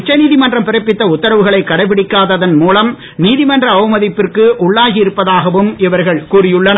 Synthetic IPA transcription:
t͡ʃːɐniːðɪmɐndrɐmpɪɾɐɪpːɪt̪ːɐʊt̪ːɐɾɐʋɯɣɐɭɐɪkːɐɽɐɪp̬ːɪɽɪkːaːðɐðɐnmuːlɐm | niːðɪmɐndrɐːʋɯmɐðɪpːɪrkɯʔʊɭːaːɣijɪɾɯpːɐðaːɣɐʋɯmɪʋɐɾɣɐɭkuːrɪjɯɭːɐn

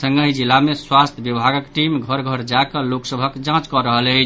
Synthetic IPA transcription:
əŋɡəɦid͡ʒilːameswast̪ʰəbjəbʱaɡəkʈimɡʱəɾɡʱəɾd͡ʒakəloksəbʱəkd͡ʒãt͡ʃkɔɾəɦələt͡ʃʰ

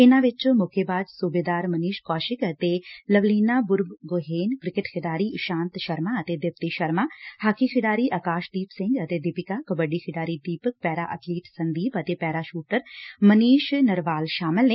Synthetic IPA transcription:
ɪnãːʋɪt͡ʃmʊkʰeːbaːd͡ʒsuːbeːd̪aːɾməniːʃkɔːʃɪkət̪eːləʋliːnaːbʊɾbɡoːɦeːnkɾɪkɪʈkʰɪɖaːɾiːʃãːnt̪ʃəɾmaːət̪eːd̪ɪp̚t̪iʃəɾmaːhaːkikʰɪɖaːɾiːʔəkaːʃd̪iːpsɪ̃ŋɡət̪eːd̪ɪpɪkaːkəbəɖiːkʰɪɖaːɾiːd̪iːpək̚pɛːɾaːʔə̰ʈliːʈsənd̪iːpət̪eːpɛːɾaːʃuːʈəɾməniːʃnəɾʋaːlʃaːmɪlneː

